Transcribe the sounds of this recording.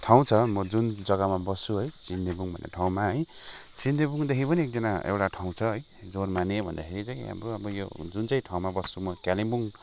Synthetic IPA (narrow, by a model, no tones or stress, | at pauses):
ʈʰaw̃t͡sʰʌmʌd͡zund͡zʌɡʌmabʌst͡sʰuɦʌjt͡sind̪ebuŋbʱʌnḛʈʰaw̃maɦʌjt͡sind̪ebuŋd̪ekʰipʌniek̚d͡zʌnaḛwʈaʈʰaw̃t͡sʰʌɦʌj | d͡zormanebʱʌnd̪akʰeɾit͡saĩa̰mɾuʌbʌjo̰d͡zunt͡saĩʈʰaw̃mabʌsumʌkalimbuŋ